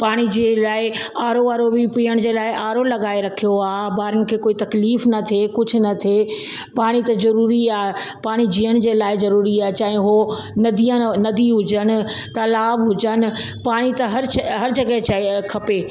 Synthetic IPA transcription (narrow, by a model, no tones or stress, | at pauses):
paːɽ̃id͡ʑelaːɪaːɾoʋaːɾobipiːəɽ̃d͡ʑeːlaːɪʔaːɾolɐɡaːeɾɐkʰijoaːɦbaːɾənɪ̆kʰeːkoːit̪ɐkliːfnɐt̪ʰekʊd͡ʑʱʊ̆nɐt̪ʰe | paːɽ̃it̪ɐzɐɾuːɾiaːɦ | paːɽ̃id͡ʑiːəɽ̃d͡ʑeːlaːɪzɐɾuːɾiaːɦt͡ɕaːɦẽɦo | nɐd̪ijə̃nɐd̪iɦʊd͡ʑənɪ̆t̪ɐlaːbɦʊd͡ʑənɪ̆ | paːɽ̃it̪ɐɦɐɾɦɐɾd͡ʑɐɡəɦt͡ɕaɦekʰɐpeː